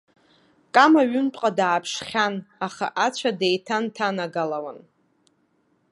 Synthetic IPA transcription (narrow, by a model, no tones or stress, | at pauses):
kʼamaɥʏmtʼqʼadaːpʰʂχʲanaχa̰ʔat͡ɕʷʰadejtʰantʰanaɡalawan